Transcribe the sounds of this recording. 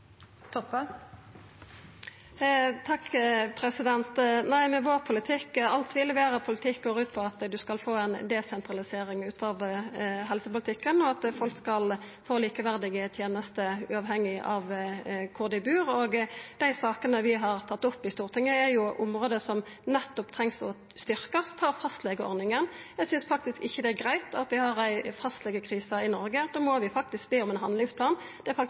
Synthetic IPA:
t̪ʰɔp | t̪ʰɑkːpʰɾɛsɪd̪ɛnt̪næɪmɛʋoːʁpʰʊlɪt̪ʰɪkːɑlt̪ʋɪlːʋeːʁəpʰʊlɪt̪ʰɪkɡoːʁʉːt̪̚pʰɔɑt̪d̪ʉskɑlfoːɛnd̪ɛsɛnt̪ʁɑlɪseːʁɪŋʉːt̪ɑʋɦɛlsəpʊlɪt̪ɪkːənɔɑt̪fɔlkskɑl | foːliːkəʋæʁd̪ɪɡət̪ʰjeːnəst̪əʉ̰ːɑʋɦɛŋːɪʔɑʋkʰʊʁd̪ɪbʉːɾoɡd̪̥æɪsɑːkənəʋɪɦɑʁt̪ʰɑt̪ːɔpːɪst̪uːʁt̪ʰɪŋːəæɾjʊʔʊmʁoːd̪əsɔm | nɛt̪ːɔpt̪ʰʁɛŋsɔ̰ | st̪ʏʁkəst̪ʰɑːʁfɑst̪lɛɡəɔ̰ɾnɪŋənjæsʏnsfɑk̚t̪ɪskɪçːəd̪ɛæɾɡʁæɪt̪ɑ̰t̪ʋɪhɑʁæɪfɑst̪lɛːɡəkʰʁiːsəɪnɔɾɡəd̪oːmɔʋɪfɑk̚t̪ɪsk̚beːɔmɛnɦɑnd̪lɪŋspʰlɑːnd̪̥ɛæfɑ

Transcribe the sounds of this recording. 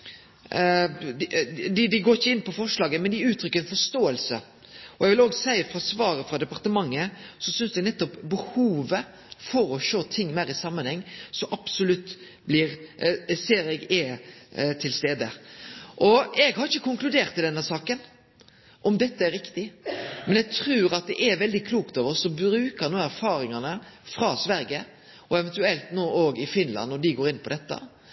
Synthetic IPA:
d̪ɪd̪ɪɡoːɾɪçːəɪnːpʰɔfɔʂlɑːɡəmɛnd̪ɪʉːt̪ʰɾʏkːəɾɛnfɔʂt̪oːəlsə̰ | ɔɛɡʋɪloːɡsæɪəfɾɑsʋɑːɾəfɾɑd̪ɛpɑɾt̪əmɑŋːəsɔsʏnsd̪ɛɡnɛt̪ːɔpbəhuːʋə | fɔɾɔʃoːt̪ʰɪŋːmæɪɾɪsɑmːənhɛŋːsɔmʔɑpsʊlʉt̪ː | blɪɾseːɾɛɡɛ | t̪ʰɪlst̪eːd̪əʔɔɛɡhɑɾɪçːəkʊŋklʉd̪eːɾʁt̪ʰːɪld̪ɛnːəsɑːkən | ʔɔmd̪ɛt̪ːəɛɾɪkt̪ɪmɛnjɛɡ̚t̪ʰɾʉːɾɑt̪̚d̪ɛʔɛɾʋɛld̪ɪkʰluːkt̪oːʋəʁsɔbɾʉːkəɾnuːæɾfɑːɾɪŋɑnəfɾɑsʋæɾɡə | ʔɔɛʋɛnt̪ʉɛlt̪noːʔoːɡɪfɪnlɑ̰nːɔd̪ɪɡoːɾɪnpʰɔd̪ɛt̪ːə̰

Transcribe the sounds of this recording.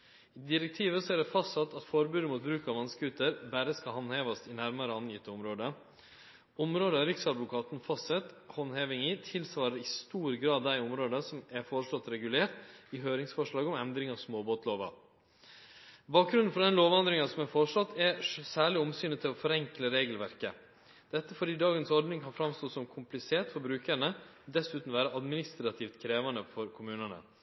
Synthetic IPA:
ɪːd̪ɪɾɛk̚t̪ʰiːʋəsɔæɖɛfɑst̪sɑt̪ːɑt̪fɔɾbʉːd̪əmuːt̪̚bɾʉːkɑʋɑnskəɡʉt̪ːəɾbæɾəskɑlɦɑnheːʋɑst̪ɪnæɾmɑɾəɑnjɪt̪ːəɔmɾoːd̪ə | ɔmɾoːd̪əɑɾɪksɑd̪ʋʊkʰɑːt̪nfɑsɛt̪hɔnheːʋɪŋɪt̪ʰɪlsʋɑːɾəɾɪst̪uːɾɡɾɑːd̪ːæɪɔmɾoːd̪əsɔmæɾfɔɾəʂɭɔt̪ːɾɛɡʉleːɾʈ̪ɪɦøːɾɪŋsfɔʂɭɑːɡɔmɛnd̪ɾɪŋɑʋsmoːboːt̪loːʋɑ̰ | bɑːk̚ɾʉnn̩fɔɾd̪ɛnloːʋɑnd̪ɾɪŋɑsɔmɛfɔɾʂlɔt̪ːɛɾsæːɭɪɔmsyːnət̪ʰɪlɔfɔɾɛŋkləɾeːɡəlʋæɾkə | d̪̥ɛt̪ːəfɔɖiːd̪ɑːɡənsɔɾɖ̪nɪŋhɑfɾɑmst̪oːsɔmkʰʊmplɪseːt̪fɔɾbɾʉːkəɾɳəd̪ɛsʉːt̪n̩ʋæːɾəʔɑd̪mɪnɪst̪ɾɑt̪ʰɪft̪kʰɾeːʋɑnəfɔɾkʰʊmʉːnənə̰

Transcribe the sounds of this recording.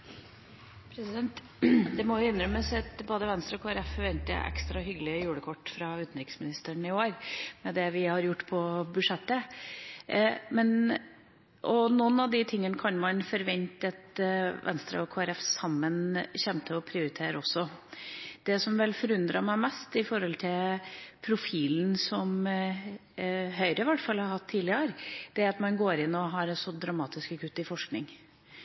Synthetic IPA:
pʰɾɛsɪd̪ɛnt̪ | d̪ɛmɔjʊɪnːɾœmːəsɑt̪boːd̪əʋɛnst̪ɾəɔkʰoːæɾɛfːɔɾʋɛnt̪ə̰ʔɛ̰kst̪ɾɑɦʏɡəlɪəjʉːɽəkʰɔʈːfɾɑʉːt̪nɾɪksmɪnɪst̪əɳɪoːɾmɛd̪ɛʋɪhɑɾjʊʈːpʰɔbʉʂɛt̪ːə | mɛn | ʔɔnɔnːɑʋd̪ɪt̪ʰɪŋːənəkʰɑnmɑnfɔɾʋɛnt̪ət̪ʋɛ̰nst̪ɾə̰ɔkʰoːæɾɛfsɑmːənçɛmt̪ʰəɔpʰɾɪʊɾɪt̪ʰeːɾɔsːɔ | d̪̥ɛsɔmʋɛlfɔɾʉnd̪ɾɑmæɪmɛst̪ɪfɔɾɔlt̪ʰɪlpʰɾʊfiːln̩sɔm | ɦœʏɾəɪʋæʈfɑlhɑɾhɑt̪ʰːiːlɪəɾd̪̥ɛæɾɑt̪mɑnɡoːɾɪnːɔɦɑɾɛsɔd̪ɾɑmɑːt̪ɪskəkʰʉt̪ːɪfɔʂknɪ̰ŋ

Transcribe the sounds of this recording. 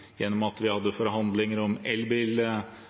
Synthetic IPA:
jɛnːɔmɑt̪ʋɪhɑd̪ːəfɔɾɦɑnd̪lɪŋəɾɔmɛlbɪl

